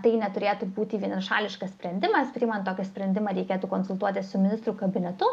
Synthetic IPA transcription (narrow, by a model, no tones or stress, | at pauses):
t̪ɐɪnʲɛt̪ʊɾʲeːt̪ubuːt̪ʲiːʋʲiɛnɐʃɑːlʲɪʃkɐssʲpʲɾʲɛnʲd̪ʲɪmɐspʲɾʲiːmɐnt̪t̪oːkʲɪsʲpʲɾʲɛnʲd̪ʲɪmɐɾʲɛɪkʲeːt̪uːkoːnsʊlˠt̪uɔt̪ʲɪssʊmʲɪnʲɪst̪ɾukɐbʲɪnʲɛt̪ʊ